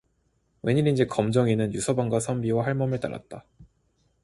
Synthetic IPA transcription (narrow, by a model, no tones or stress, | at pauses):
we̞ɲiɾind͡ʑikʌmd͡ʑʌŋinɯnjusʰʌbaŋɡwasʰʌmbiwaɦaɭmʌmɯɭt͈a̰na̰t̚t͈a